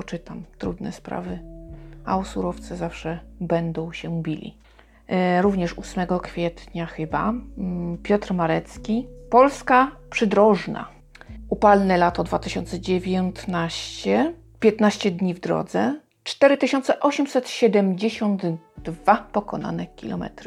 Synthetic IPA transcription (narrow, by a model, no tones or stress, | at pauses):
pɔt͡ʂɘt̪amt̪ɾud̪nɛ̰spɾa̰vɘ | a̰ɔsuɾɔft̪sɛzafʂɛbɛnd̪ɔ̃w̃ɕɛbʲilʲḭ | ɾuvɲɛʂusmɛɡɔkfʲjɛt̪ɲaxɘba | pʲjɔt̪ɾmaɾɛt̪skʲipɔlskapʂɘd̪ɾɔʐna̰ | upalnɛlat̪ɔd̪vat̪ɘɕɔnt̪sɛd͡ʑevʲjɔnt̪naɕt͡ɕɛ | pʲjɛt̪naɕt͡ɕɛd̪ɲivd̪ɾɔ̰d̪zɛ | t͡ʂt̪ɛɾɘt̪ɘɕɔnt̪sɛʔɔɕɛmsɛt̪ɕɛd̪ɛmd͡ʑeɕɔnd̪ | d̪vapɔkɔna̰nɛkʲḭlɔ̰mɛ̰t̪ɾ